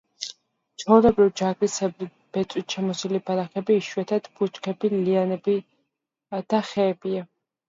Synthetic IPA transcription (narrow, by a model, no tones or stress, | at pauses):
t͡ʃʰɔvlɛbɾivd͡ʒaɡɾisɛbi | b̥ɛt̪ʼwit̪ʃʰɛmɔsilibaɾaχɛbiːʃwɛt̪ʰat̪b̥ut͡ʃkʰɛbilianɛbi | d̪̥aχɛːbia